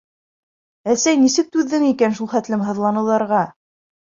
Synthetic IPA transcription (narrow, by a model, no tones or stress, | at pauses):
æsæjnisɘk̚t̪ʉðːɘŋikænʃulˠχæt̪lɘmɦɤ̆ðlˠɑnɤ̆lˠɑɾʁɑ